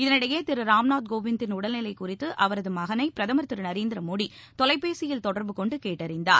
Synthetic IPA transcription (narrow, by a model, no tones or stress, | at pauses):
ɪðɐnɪɽɐjeːt̪ɪɾɯɾaːmnaːt̪̚ɡoːʋɪnt̪ɪnʊɽɐlnɪlɐɪkʊrɪt̪ːɯʔɐʋɐɾɐðɯmɐɣɐnɐɪpɪɾɐðɐmɐɾt̪ːɪɾɯnɐɾeːnd̪ɪɾɐmoːɽi | t̪ɔlɐɪpːeːsɪjɪlt̪ɔɽɐɾbɯkɔɳɖɯkeːʈːɐɾɪnd̪a̰ːɾ